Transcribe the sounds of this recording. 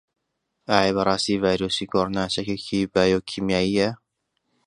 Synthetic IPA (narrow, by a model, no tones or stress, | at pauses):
ʔaːebɐɾˤɑːst̪iːvaːjɾuːsikʰoɾonat͡ʃɐkekʰibaːjoːkʰimjaːijɐ